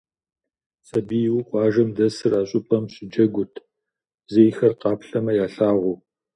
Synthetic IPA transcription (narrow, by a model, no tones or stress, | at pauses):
sʼɐbijwqʷʼɑːʒɐmdɐsɨraːɕʼʊpʼɐmɕʼɪd͡ʒɐɡʷʊtʰ | zejxɐrqɑːpɬɐmɐjaːɬaːʁʷʊ